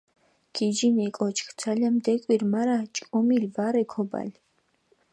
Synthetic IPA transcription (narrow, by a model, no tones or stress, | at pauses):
kʰid͡ʒinɛkʼɔt͡ʃʰʼxt͡sʰalamd̪ɛkʼwirmaɾat͡ʃʼkʼɔmilvaɾɛkʰɔba̰l